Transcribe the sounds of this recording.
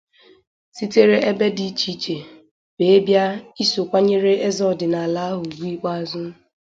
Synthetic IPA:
si˦te˦ɾe˦ʔe˦be˦di˨˦t͡ʃi˦t͡ʃe˨ | be˨e˦bja˦i˦so˨kʷa˦ɲe˦ɾe˦e˦zɔ˦˨dɪ˨na˨a˨la˦a˦ɦʊ˨ɡ͡bʷi˦i˦k͡pa˦a˨zʊ˦

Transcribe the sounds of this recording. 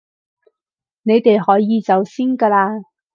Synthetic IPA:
ne˨˧jt̪e˨jɦɔː˨˥jiː˨˧t͡sɐ˨˧wsiː˥nka˧laː˧

